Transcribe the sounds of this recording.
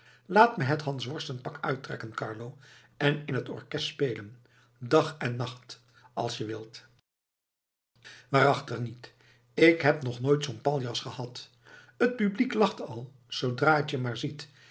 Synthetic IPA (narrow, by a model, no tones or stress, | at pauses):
laːtməɦətɦɑnsʋɔɹstən̚pɑkœɥtrɛ̰kənkɑ̰ɹlowʔɛnɪnɦətɔ̰ɹkɛstspejlən | dɑχɛnːɑχt | ɑ̰lˠsjəʋɪlˠt | ʋaːɾɑχtəχnit | ɪkɦɛpnɔχnoːjtsonpɑlˠjɑsχəhɑt | ət̚pybliklɑχtɑlˠ | z̥owdraːətjəmaːɹzit